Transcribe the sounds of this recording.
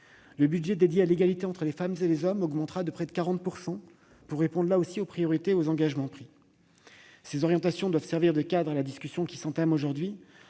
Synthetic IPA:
ləbydʒɛd̪ed̪jealeɡalit̪eɑ̃t̪χəlefamzelezɔmɔɡmɑ̃t̪χad̪əpχɛd̪əkaʁɑ̃t̪̚puʁsɑ̃ | puʁːepɔ̃d̪ʁlaosiopχijɔʁit̪eozɑ̃ɡaʒmɑ̃pχi | sezɔʁjɑ̃t̪asjɔ̃d̪wav̥sɛʁviʁd̪əkad̪ʁalad̪iskʲysjɔ̃kʲi̥sɑ̃t̪amoʒuʁd̪ɥi

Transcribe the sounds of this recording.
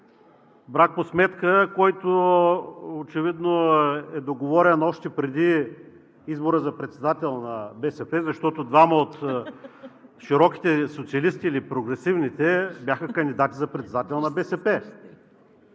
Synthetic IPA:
bɾak̚posmɛt̪kəkɔjt̪o | ot͡ʃɛvid̪noɛd̪oɡovɔɾɛnɔʃt̪ɛpɾɛd̪i | izboɾəzɐpɾɛt̪sɛd̪at̪ɛlˠnɐbɛsɛpɛzɐʃt̪ɔt̪od̪vaməot̪ | ʃiɾɔki̥t̪ɛsot̪siɐlist̪iːlipɾoɡɾɛsivnit̪ɛbjaxəkənd̪id̪at̪izɐpɾɛt̪sɛd̪at̪ɛlˠnɐbɛsɛpɛ

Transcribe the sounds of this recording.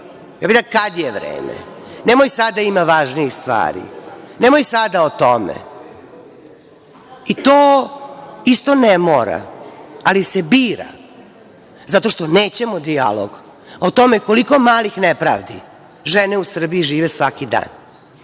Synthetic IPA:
jaːbid̪akad̪jeʋɾḛːmḛ | nemojsad̪aimaʋaːʒniixst̪ʋa̰ːɾḭnemojsad̪aot̪omḛ | it̪oː | ist̪onemoɾa̰alisebiːɾa̰ | zat̪o̞ʃt̪o̞neːt͡ɕemod̪ia̰lo̰ɡ | ot̪o̞mekoliko̞maːlixnepɾa̰ːʋd̪i | ʒeneusr̩biiʒiːʋesʋakid̪a̰ːn

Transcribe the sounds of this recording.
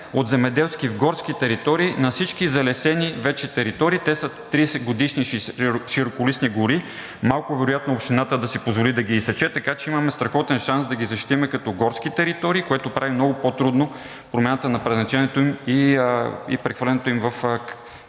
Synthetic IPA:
ot̪zɛmɛd̪ɛlˠskivɡɔɾskit̪ɛɾit̪ɔɾiːnɐfsit͡ʃkizɐlɛsɛnivɛt͡ʃɛt̪ɛɾit̪ɔɾiːt̪ɛsət̪ːɾisɛɡod̪iʃniʃiɾokolisniɡoɾi | malˠkʊvɛɾojat̪noːpʃt̪inat̪əd̪ɐsipozvolid̪ɐɡiːsɐt͡ʃɛt̪ɐkat͡ʃɛimɐmɛst̪ɾɐxɔt̪ɛnʃansd̪ɐɡʲizɐʃt̪i̥t̪imɛkɐt̪ɔɡɔɾskit̪ɛɾit̪ɔɾiːkoɛt̪opɾʔavimnɔɡopot̪ɾud̪no | pɾomjanət̪ənɐpɾɛznɐt͡ʃɛnɛt̪oimi | ḭpɾɛxvəlɛnɛt̪oimvɐf

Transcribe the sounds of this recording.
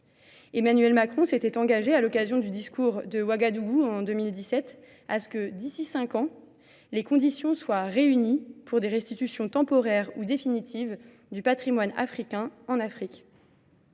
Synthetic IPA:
emanɥɛlmakχɔ̃set̪ɛt̪ɑ̃ɡaʒealɔkazjɔ̃d̪yd̪iskuʁd̪əwaɡad̪uɡuɑ̃d̪ømild̪isɛt̪ | asə̥kəd̪isisɛ̃kɑ̃ | lekɔ̃d̪isjɔ̃swaʁeynipʰuʁd̪eʁɛst̪it̪ysjɔ̃t̪ɑ̃pɔʁɛʁud̪efinit̪ʰiv | d̪ypat̪χimwana̰fχikʲɛ̃ɑ̃nafχik

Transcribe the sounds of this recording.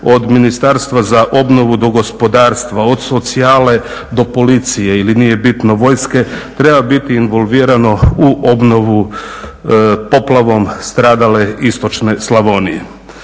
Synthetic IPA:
o̞d̪minist̪aɾst̪ʋazaʔo̞bno̞ʋud̪o̞ɡo̞spo̞d̪aːɾst̪ʋao̞d̪so̞t̪siaːle̞ | d̪o̞po̞lit̪sije̞ilinije̞bit̪no̞ʋo̞ːjske̞t̪ɾe̞babit̪iːnʋo̞lʋiːɾano̞uʔo̞bno̞ʋu | po̞plˠaʋo̞mst̪ɾaːd̪ale̞ist̪o̞t͡ʃne̞slˠaʋo̞nijḛ

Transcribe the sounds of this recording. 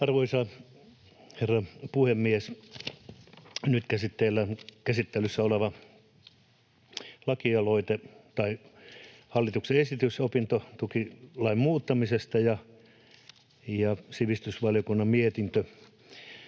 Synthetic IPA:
ɑrʋoisɑ | herːɑpuhemːies | nyt̪kæsit̪ːeilːækæsit̪ːelysːæoleʋɑ | lɑkiɑloit̪et̪ɑi | hɑlːit̪ukseesit̪ysopint̪ot̪ukilɑimmuːt̪ːɑmisest̪ɑjɑ | jɑsiʋist̪ysʋɑljokunːɑmmiet̪int̪ø

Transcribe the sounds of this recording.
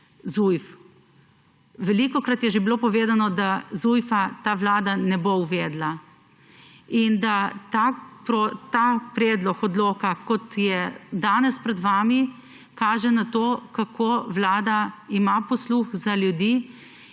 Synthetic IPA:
zujf | ʋɛlikɔkɾat̪jɛʒebiloːpɔʋeːzanɔd̪azujfat̪aːʋlaːd̪anɛbowʋeːd̪la | ind̪at̪apɾɔt̪apɾeːd̪lɔxɔd̪loːkakɔt̪jɛd̪aːnɛspɾɛd̪ʋaːmi | kaːʒɛnat̪oːkakʰoʋlaːd̪aimapɔsluxzaljud̪i

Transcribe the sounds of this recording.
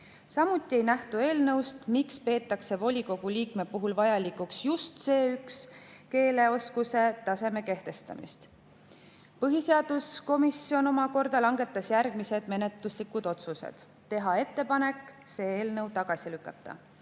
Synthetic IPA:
sɑmut̪ːˑie̞jnæht̪ue̞ːlnɤ̞wst̪mikspe̞ːt̪ːˑɑkse̞vo̞lʲiko̞ɡ̥uliːkme̞puɦulvɑjɑlikˑuksjust̪se̞ːykske̞ːle̞o̞skuse̞t̪ɑse̞me̞ke̞ht̪e̞st̪ɑ̰mḭst̪ | pɤɦise̞ɑd̪̥usko̞misio̞no̞mɑko̞rd̪̥ɑlɑŋɡ̥e̞t̪ːˑɑsjærɡ̥mise̞d̪̥me̞ne̞t̪luslikːˑud̪̥o̞t̪susḛd̪̥ | t̪ːe̞ɦɑe̞t̪ːe̞pɑne̞kːˑse̞ːeːlnɤwt̪ɑɡ̥ɑsilykːˑɑt̪ːɑ̰

